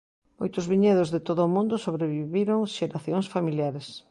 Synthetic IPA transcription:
mojt̪ʊzβiɲeðʊzðet̪oðʊːmũnd̪ʊsoβɾeβiβiɾoŋʃeɾaθjoŋsfamiljaɾes

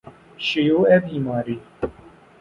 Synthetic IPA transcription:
ɕijoːɛbiːmaːɾi

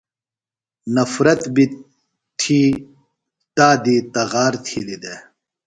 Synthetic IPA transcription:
nɐfɾɐt̪bi | t̪ʰiː | t̪aːd̪it̪ɐɣaːɾt̪ʰilid̪e

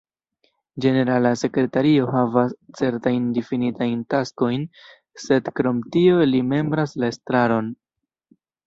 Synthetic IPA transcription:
d͡ʒe̞ne̞ɾalase̞kɾe̞taɾio̞ɦavast͡se̞ɾtajndifinitajntasko̞jn | se̞dkɾo̞mtio̞lime̞mbɾaslae̞stɾaɾo̞n

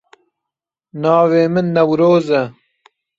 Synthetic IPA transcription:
nɑːweːmɪnːɐwɾoːzɐ

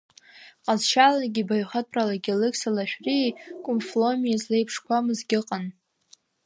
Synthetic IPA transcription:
qʼazʃalaɡʲibajχat̚ʰʼralaɡʲɪlɨkʼsalaʃᶣrikʷʼʊmflomijazlejpʰʂkʷʰamɨzɡʲɪqʼan

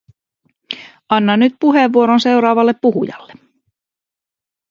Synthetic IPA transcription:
ɑnːɑnːyt̪̚puɦeʋːuo̞ɾonse̞wɾɑːʋɑlːepːuɦṵjɑ̰lːe

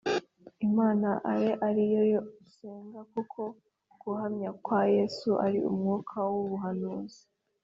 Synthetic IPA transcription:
imaːnaʔaɾeʔaɾijojose̞ːŋɡakukʰo̞ | ɡ̥uhamɲakwaje̞ːsuʔa̰ɾiṵmŋuːkʰawuβuɦanuːzi̥

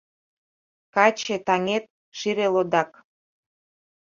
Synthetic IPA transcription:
kɑt͡ɕet̪ɑŋet̪̚ | ʃiɾelod̪ɑk

